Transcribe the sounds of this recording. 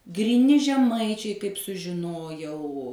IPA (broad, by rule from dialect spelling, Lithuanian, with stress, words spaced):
ɡrʲiːˈnʲɪ ʒʲɛˈmɐɪt͡ʃʲɛɪ kɐɪp sʊʒʲɪˈnoːjɛʊ